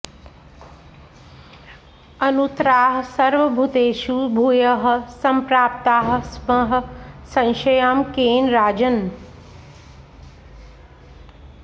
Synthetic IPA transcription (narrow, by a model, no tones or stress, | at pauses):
ɐnut̪ɾaːɦsɐɾʋɐbʱut̪eːʃubʱuːjəɦ̆sɐmpɾaːp̚t̪aːɦ̆smɐɦə̆sɐ̃nʃɐjaːmkeːnɾaːd͡ʒən